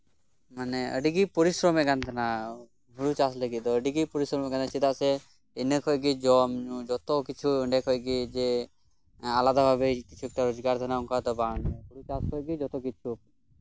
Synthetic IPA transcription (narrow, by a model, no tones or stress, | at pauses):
maneə̰ɖiɡipɔɾisɾɔmekant̪ʰana | ɦuɽut͡ʃasləɡit̪ɔəɖiɡipɔɾisɾɔmkant͡ʃʰid̪ase | enəkʰɔjɡid͡ʒɔmũd͡ʒɔt̪okit͡ʃʰuəɳɖekʰɔjɡid͡ʒe | alad̪abʱabekit͡ʃʰuek̚ʈaɾod͡ʒɡaɾd̪ʱənauŋkat̪ɔbanebuɽut͡ʃaskʰɔjɡid͡ʒɔt̪ɔkit͡ʃʰu